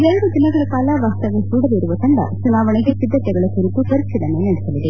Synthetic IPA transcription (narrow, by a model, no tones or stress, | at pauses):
id̪ɛlɐɾud̪inɐɡɐɭɐkaːlaʋaːst̪ɐʋesuːɽɐʋiɾuʋɐt̪ɐɳɖɐ̰t͡ʃunaːʋɐɳeɡesid̪ːɐt̪ɛɡɐɭɐsuɾukut̪ɐɾitid̪ɐnːenɐɽisɐʋid̪e